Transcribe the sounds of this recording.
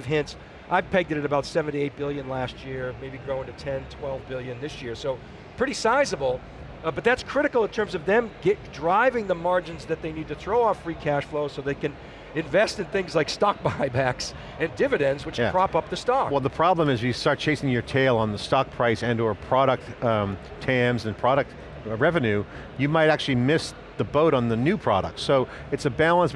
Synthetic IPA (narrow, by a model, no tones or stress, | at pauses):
v̥ɦɪ̃nts | ʔaɪpʰɛɡ̚dɨɾɨɾɨbaʊtsɛvɨ̃ntieɪt̚b̥ɪlˠjɨ̃nlæst̚jɪɹmeɪbiɡɹoʊɪ̃ŋtɨtʰɛ̃ntʰw̥ɛlˠvbɪlˠjɨ̃nðɪsjɪɹsoʊ | pʰɹ̥ɪɾisaɪzəbl̩ˠ | bʌt̪̚ðætskʰɹ̥ɪɾɨkl̩ˠə̃ntʰɜ̃˞mzʌvðɨ̃mɡɛt̚dɹaɪvɪ̃ŋðəmɑɹd͡ʒɨ̃nzðɨt̪̚ðeɪnid̚tɨθɹoʊɔfɹikʰæʃfloʊsoʊðeɪkɨ̃n | ɨ̃ɱvɛstɨ̃nθɪ̃ŋzlaɪkstɑk̚b̥aɪbæks | ɨ̃ndɪvɨɾɨ̃ndzwɨt͡ʃpʰɹ̥ɑpʌp̚ðɨstɑkwɛlˠðəpʰɹ̥ɑblə̃mɨzjɨstɑɹt̚t͡ʃʰeɪsɪ̃ŋjə˞tʰeɪlˠə̃nðəstɑk̚pʰɹ̥aɪsɛ̃ndə˞pʰɹ̥ɑɾɨk̚t | tʰæ̃mzɨ̃npʰɹ̥ɑɾɨk̚t | ɹɛvɨ̃nʉ | jɨmaɪɾæk̚t͡ʃʉl̩ˠimɪs | ðəboʊɾn̩ðɨnʉpʰɹ̥ɑ̰ɾə̰k̚tsoʊ | ɨtsɨbælˠə̃ns